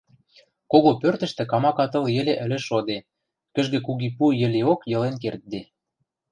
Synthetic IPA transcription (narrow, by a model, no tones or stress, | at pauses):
koɣopørt̪ə̆ʃt̪ĕkɑmɑkɑt̪ɤ̆ljĕlĕʔɘ̆lʲĕʃod̪e | kə̆ʒɡĕkuɣipujɘ̆leokjɤ̆lenkert̪̚d̪e